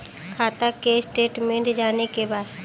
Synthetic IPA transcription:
kʰaːt̪akesʈeːʈmẽɳʈd͡ʒaːnekebaːd̪

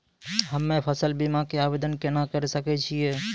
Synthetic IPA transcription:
ɦəmːepʰəsəlbimakeabed̪ənkenakəɾesəkɛt͡ʃʰijɛ

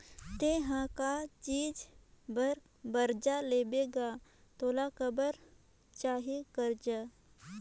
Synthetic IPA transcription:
t̪eːɦãkat͡ʃiːd͡ʒbəɾ | bəɾd͡ʒaleːbeːɡat̪oːlakəbəɾ | t͡ʃaːɦikəɾd͡ʒaː

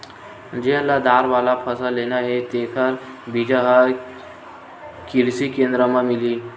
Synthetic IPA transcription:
d͡ʑeəlːad̪aɾʋalapʰəsalenjaɦet̪ekʰəɾ | bid͡ʑaɦəɾ | kiɾsikend̪ɾəmamiliː

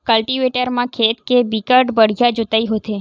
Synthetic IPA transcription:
kəlʈiʋeʈəɾmãkʰet̪kebikəɾɖbəɽ̤jad͡ʒot̪aiɦot̪ʰe

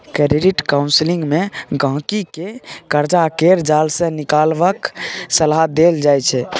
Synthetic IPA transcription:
kəɾiɾiʈkaũnsliŋɡmeɡʱə̃kikekəɾd͡ʒakeɾd͡ʒalsə̃nikalbəksəlad̪eld͡ʒajt͡ʃʰɛ

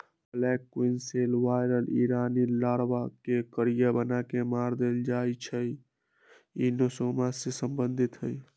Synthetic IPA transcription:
əlɛkːuinselʋajɾəliɾanilaɾbakekəɾijabənakemaɾd̪eld͡ʒajt͡ʃʰəj | inosomasesəmbənd̪ʱit̪ɦəj

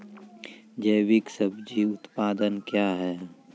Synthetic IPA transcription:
d͡ʒəɪwɪksəbd͡ʒiʊt̪paːd̪ənkjaːɦɛː

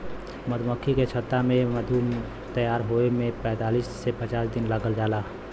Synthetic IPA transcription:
məd̪məkʰːiket͡ʃʰət̪ːamẽməd̪ʱu | t̪əjaːɾɦoemẽpɛ̃ːt̪aːliːsːepət͡ʃaːsd̪ɪnləɡəld͡ʒaːlaː

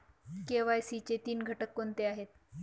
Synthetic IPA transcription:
keʋajsit͡set̪iːnɡʱəʈəkːont̪eaɦet̪̚

